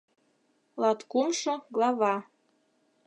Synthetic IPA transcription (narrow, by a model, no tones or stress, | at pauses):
lˠɑt̪kumʃɤ̆ɡlˠɑβɑ